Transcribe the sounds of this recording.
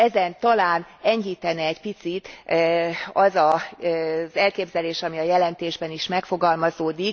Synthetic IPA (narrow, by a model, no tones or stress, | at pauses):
ɛzɛnt̪ɒlaːnɛɲɦiːt̪ɛnɛːcpit̪sit̪ː | ɒzɒ | zɛlkeːbzɛleːʃɒmiɒjɛlɛnt̪eːʒbɛniʃmɛkfo̞ɡɒlmɒzoːd̪i